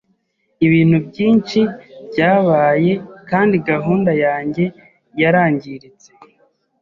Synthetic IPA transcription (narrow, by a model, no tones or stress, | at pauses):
iβiːn̥hubɟiːnt͡ʃibɟaːβaːje̞kaːndiɡaɦuːndajaːɲɟe̞ | jaɾaːɲɟiɾit͡se̞